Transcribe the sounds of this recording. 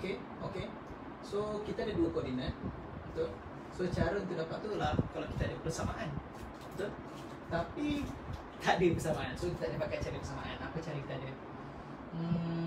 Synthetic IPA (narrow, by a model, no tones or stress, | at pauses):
oke | oke | sokit̪aadəduəkɔrdinə | ut̪ʊ | sot͡ʃaɾʊnt̪udapaʔt̪ulakalawki̥t̪adəpəsamaʔan | t̪ʊ | t̪apiit̪adəpərsamaʔansokit̪aadəbakaʔ̪̚t͡ʃaɾipərsamaʔanapat͡ʃaɾikit̪aːdə